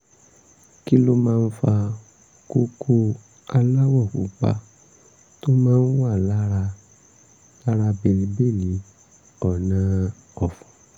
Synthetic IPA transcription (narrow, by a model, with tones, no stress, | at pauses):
ki˦lo˦mãː˦˧n̩˦fa˧ | ko˦kʰo˦ | a˧la˦wɔ˦˨kṵ˨˦k͡pa̰˧ | to˦mãː˦n̩˦wa˦˨la˦ɾa˧ | la˦ɾa˧be˧ɾe˧be˦˨li˨˦ | ɔ˦˨nã˨˧ | ɔ˨fɔ̥̃˨